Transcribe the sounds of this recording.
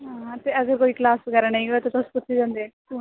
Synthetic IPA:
ɦãːt̪eːəɡəɾkoːiːklaːsɡɛɾanaĩɡoet̪ot̪ʊspʊt̪ʰːed͡ʒãːnd̪eːkuː

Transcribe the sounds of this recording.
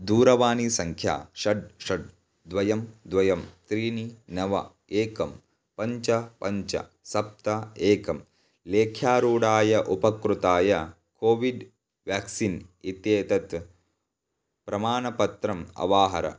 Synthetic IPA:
d̪uːɾɐʋaːnisɐŋkʰja̰ːʃɐɖʂɐɖ̚ | d̪ʋɐjɐmd̪ʋɐjɐmt̪ɾiːninɐʋɐ̰ | eːkɐm | pɐɲt͡ʃɐpɐɲt͡ʃɐ̰ | sɐp̚t̪ɐeːkɐm | leːkʰjaːɾuːɽaːjɐʔupɐkɾut̪aːjɐ | koːʋiɖ | ʋjaːksinit̪jeːt̪ɐt̪ | pɾɐmaːnɐpɐt̪ɾɐmɐ̰ʋaːɦɐɾɐ̰

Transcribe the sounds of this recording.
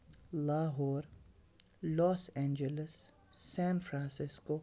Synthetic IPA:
laːɦɔːɾ | lɔːsɛ̃ːnd͡ʒɛlɪsː | ɛ̃ːnfɾãnsɪsko

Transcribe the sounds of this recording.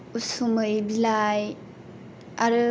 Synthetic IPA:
usumɯjbilaj | aɾɯ

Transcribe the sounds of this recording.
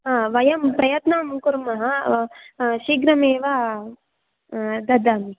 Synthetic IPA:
ɦaːʋɐjɐmpɾɐjɐt̪nɐmkuɾmɐɦɐ | ʃiɡɾɐmeːʋa | d̪ɐd̪aːmi

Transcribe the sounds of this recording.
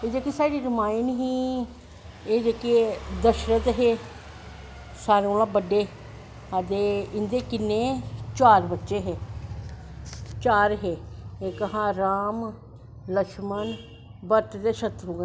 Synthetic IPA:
eːd͡ʒekiːsaːɖiːɾɪmaːiɪnɦiː | eːd͡ʒeːked̪əʃɾət̪ɦeː | saːɾeoːlãːbəɖːeː | əd̪eːɪnd̪eːkɪnːeːt͡ʃaːɾbətːʃeːɦeː | t͡ʃaːɾɦeːeːkəɦãːɾaːm | ləkʃmən | bəɾt̪d̪eːʃət̪ɾũːɡ

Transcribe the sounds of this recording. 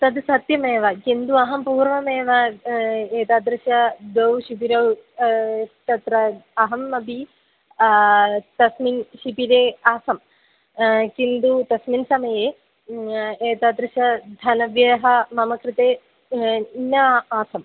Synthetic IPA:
t̪ɐd̪sɐt̪jɐmeːʋɐkind̪uɐɦɐmpuːɾʋɐmeːʋɐ | eːt̪aːd̪ɾɪʃɐd̪owʃipiɾɐw | t̪ɐt̪ɾɐɐɦɐmːɐbi | t̪ɐsminʃipiɾeːaːsɐm | kind̪ut̪ɐsminsɐmɐjeː | eːt̪aːd̪ɾɪʃɐd̪ʱɐnɐʋjɐɦɐmɐmɐkɾɪt̪eː | nɐaːsɐm

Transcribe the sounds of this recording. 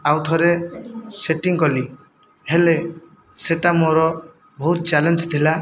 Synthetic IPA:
awt̪ʰɔɾeseʈiŋkɔli | hele | seʈamoɾɔ | bʱɔɦut̪t͡ʃalend͡ʒt̪ʰila

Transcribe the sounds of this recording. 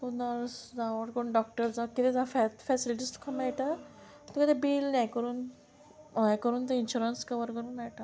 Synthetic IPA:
punəɾsd͡zaʋəɾkəɾuɳɖɔk̚ʈəɾd͡zakit̪ẽd͡zafɛfɛsiliʈiːst̪u̥kʰamajʈa | t̪əkəd̪ebiːlnãjkəɾuːn | ãkəɾuːnt̪̬əinɕuɾənskəʋəɾkəɾuːnajʈa

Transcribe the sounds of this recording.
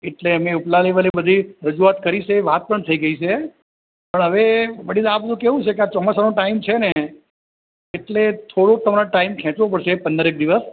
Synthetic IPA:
eʈleəmeuplaleʋəlebəd̪ʱiɾəd͡ʒuat̪kəɾit͡ʃʰeʋat̪̚pəɳt̪ʰəiɡəit͡ʃʰe | pəɳɦəʋeʋəɽid̪abəd̪ʱũkeɦũt͡ʃʰekeat͡ʃɔmasanõʈaimt͡ʃʰene | ʈlet̪ʰoɽot̪əmaɾaʈaimkʰɛ̃t͡ʃʋõpəɽʃepənd̪əɾek̚d̪iʋəs

